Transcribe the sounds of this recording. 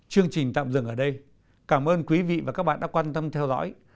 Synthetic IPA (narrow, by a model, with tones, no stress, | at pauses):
t͡ɕɨ˧əŋt͡ɕï˨˩ŋ̟t̪a̰ː˧˨mzɨ̰˧əŋʔəː˧˩ɗə˧j | kaː˧˩mʔəː˧nkwi˨˦vḭ˧˨vaː˨˩kaː˦˥ɓaː˧˨ɗaː˧˥kwaː˧nt̪ə˧mt̪ʰɛ˧wzɔ̰˧˥j